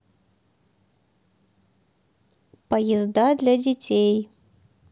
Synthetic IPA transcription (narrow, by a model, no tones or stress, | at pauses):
pɐjɛzd̪ad̪lʲɐd͡zʲɛt͡sʲej